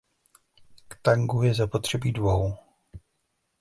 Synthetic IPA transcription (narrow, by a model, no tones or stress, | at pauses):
kt̪aŋɡujɛzapo̞t̪r̝̥ɛbiːdvo̞w